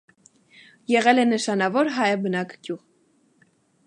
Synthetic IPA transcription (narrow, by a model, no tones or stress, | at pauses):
jɛʁɛlɛnəʃɑnɑvɔɾɦɑjbənɑkʰɡ̥juʁ